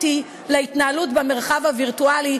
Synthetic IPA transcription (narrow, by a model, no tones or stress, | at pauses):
ti | leitnaalutbeme̞ʁχavhaviʁtuali